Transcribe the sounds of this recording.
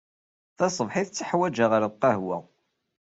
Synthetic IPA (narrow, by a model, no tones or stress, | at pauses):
θɑsˤəvħiθət͡sːəħwæd͡ʒaʁəɾqːəɦwæ̰